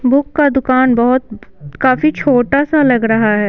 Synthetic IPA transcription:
bʊkːad̪ʊkaːnbɐɦʊt̪̚kaːfit͡ʃʰoːʈasalɐɡɾɐɦaɦɛː

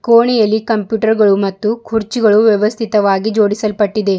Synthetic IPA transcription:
koːɳɛjɐlːikɐmpjuːʈɐɾɡɐɭumɐt̪ːukʰuɾt͡ʃiɡɐɭuʋjɛʋɐst̪ʰit̪ɐʋaːɡid͡ʒo̞ːɽisɐlpɐʈːid̪e̞

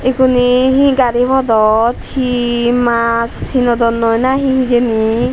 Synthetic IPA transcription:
ekuniɦĩɡaɾibʱɔd̪ɔt̪ʰhimashinɔd̪ɔnɔjnaɦĩɦĩd͡ʒeni

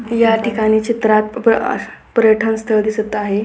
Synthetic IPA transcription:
jaʈikaɽ̃it͡ɕit̪ɾat̪̚ | pɾjəʈʰənst̪ʰəɭd̪isət̪aɦe

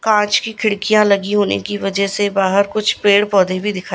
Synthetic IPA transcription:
kãːt͡ʃkikʰɪɽkijãlɐɡiɦoːnḛkiʋɐd͡ʒɛsebaːɦəɾkʊt͡ʃʰpeːɽpɔːd̪ʱebʱid̪ɪkʰaː

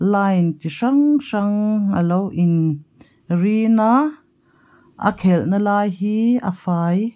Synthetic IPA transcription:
laːjnt̪iʂɐŋʂɐŋa̰lowʔin | rina | ʔə̰kʰɛlnalaːjhiːa̰faːj

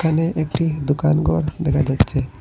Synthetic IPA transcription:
kʰaneʔek̚ʈid̪ukanɡɔɾd̪ɛkʰad͡ʒatːt͡ʃʰe

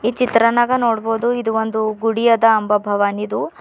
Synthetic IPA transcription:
iːt͡ʃit̪ɾɐnaːɡɐnoːɽboːd̪uid̪uʋond̪uɡuɽijɐd̪ɐɐmbɐbʱɐʋaːnid̪u

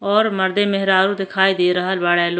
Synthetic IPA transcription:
ɔːɾməɾd̪emɪɦɪɾaːɾũd̪ɪkʰaːid̪iɾəɦəlʋaːɽeːl

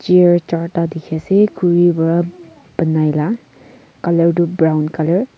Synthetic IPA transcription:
t͡ʃiəɹt͡ʃaɹtadikʰiasekʰuɹibɔɹa | bənajla | kaləɹdubɹawnkaləɹ

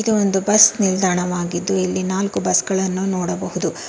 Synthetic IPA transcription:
id̪uond̪ubɐsnild̪ʱaːɳɐʋaːɡid̪ːuilːinaːlkubɐsɡɐɭɐnːunoːɽɐbɐɦud̪u

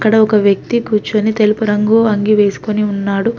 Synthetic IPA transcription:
kːɐɽɐɔkɐʋjɐk̚t̪ikuːt͡ʃːuɐnit̪elupɐɾɐŋɡuːɐŋɡiʋe̞ːsu̥koniunːaːɽu

